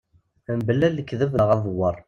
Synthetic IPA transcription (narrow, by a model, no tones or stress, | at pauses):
əmbəlːælːəkːðəvəʁɑðˤwəɾˤ